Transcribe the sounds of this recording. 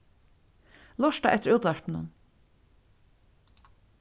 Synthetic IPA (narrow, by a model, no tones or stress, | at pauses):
lɔʃʈa̰ʔɛt̪ːəɾʉːt̪aɹpn̩ə̰n